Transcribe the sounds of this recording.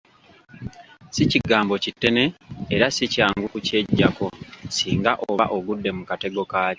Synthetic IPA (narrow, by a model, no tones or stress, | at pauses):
siciɡaːmbo̞citːene̞ːɾasicaːŋɡukuce̞ɟːako̞siːŋɡaʔoaʔo̞ɡudːe̞mukate̞ɡo̞kḁː